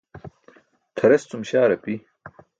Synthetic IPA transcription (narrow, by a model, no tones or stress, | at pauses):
t̪ʰɐɾɐst̪umɕaːɾɐpi